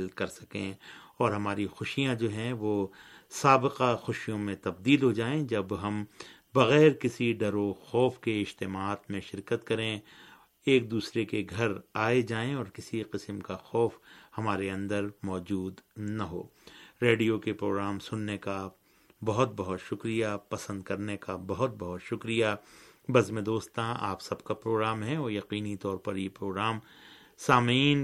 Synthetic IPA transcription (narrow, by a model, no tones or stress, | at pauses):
lkɐɾsɐkḛ̃ɔːɾɦɐmaːɾixʊʃijãd͡ʒoːɦɛ̃ʋoː | saːbɪqaxʊʃijõmẽt̪ɐb̚d̪iːlɦod͡ʒaːẽd͡ʒɐbɦɐ̃m | bɐɣɛːɾkɪsiɖɐɾoxɔːfkeɪd͡ʒt̪ɪmaːt̪mẽʃɪɾkət̪kɐɾẽ | eːk̚d̪uːsɾekeɡʱɐɾaːed͡ʒaːẽɔːɾkɪsiqɪsəmkaxɔːfhɐmaːɾeɐ̃nd̪əɾmɔːd͡ʒuːd̪nɐɦo̰ː | ɾeːɖijokepɾoːɡɾaːmsʊnːeka | bɐɦʊt̪̚bɐɦʊt̪ʃʊkɾijapɐsə̃nd̪̚kɐɾnekabɐɦʊt̪̚bɐɦʊt̪ʃʊkɾijabɐzmẽd̪oːst̪ãa̰ːpsɐbkapɾoːɡɾaːmɦɛ̃ɔːɾjɐqiːnit̪ɔːɾpɐɾjepɾoːɡɾaːm | saːmiːn